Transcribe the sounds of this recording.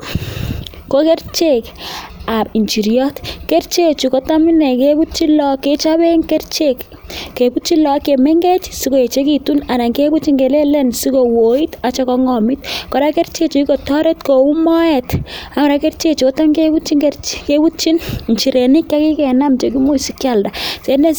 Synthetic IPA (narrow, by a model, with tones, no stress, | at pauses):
ko˦ke˦rt͡ʃe˨ka˨bi˨nt͡ʃi˨ɾjɔ˦tke˦ɾt͡ʃe˦t͡ʃu˨ko˦ta˦mi˦nɛ˨ke˦bu˦t͡ʃi˦lɔ˦kːe˦t͡ʃa˦be˦ŋke˦rt͡ʃe˦kː | ke˨bu˦t͡ʃi˦lɔ˨ke˨me˦ŋɡe˦t͡ʃsi˦ko˨e˨t͡ʃe˦ki˨tu˦na˨na˨ŋke˦bu˦t͡ʃi˦ŋke˨le˦lɛ˦nsi˦ko˨wo˨i˦ta˨t͡ʃɔ˦kɔ˧ŋɔ˨mi˦tkɔ˨ɾa˦ke˦rt͡ʃe˦t͡ʃu˨i˦ko˨tɔ˦ɾe˦tko˨u˦mɔ˦ɛ˨ta˨m˨ɾa˨ke˦ɾt͡ʃe˦t͡ʃu˨ko˦ta˦mke˦bu˦t͡ʃi˦ŋkerkebu˦t͡ʃi˦nnt͡ʃi˨ɾe˨ni˦kːa˦ki˦kɛ˨na˦mt͡ʃe˨k̬i˦mu˦si˨kja˨lda˨se˦ne˦